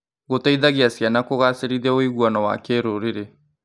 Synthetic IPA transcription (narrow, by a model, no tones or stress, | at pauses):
ɣotaiðaɣiasjanakoɣaseɾiðɛoiɣwanɔwa̰keɾoɾeɾe